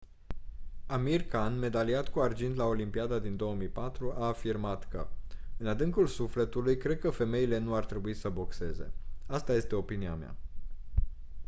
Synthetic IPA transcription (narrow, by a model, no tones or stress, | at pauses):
amirkanme̞d̪aliat̪kuard͡ʒint̪lao̞limpiad̪ad̪ind̪o̞əmijpat̪ɾuʔaːfirmat̪kəɨnad̪ɨŋkulsufle̞t̪ulujkɾe̞d̪̚kəfe̞me̞ile̞nuart̪ɾe̞buisəbo̞kse̞ze̞̰ast̪aje̞st̪e̞o̞pinia̰mea̰